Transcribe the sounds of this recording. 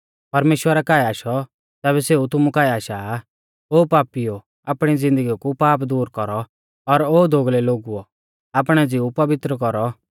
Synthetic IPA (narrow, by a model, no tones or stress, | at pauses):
pɐɾmeːʃwəɾakaːɛaːʃɔ | t̪ɛːβɛseut̪ʊmũkaːiaːʃaː | oːpaːpijo | aːpɽ̃id͡zɪ̃nd̪əɡikupaːpd̪uːɾkɔɾɔ | ɔɾoːd̪ʱoɡlɛloːɡuɔ | ap̬ɽ̃ɛd͡ziupɐbɪt̪ɾəkɔɾɔ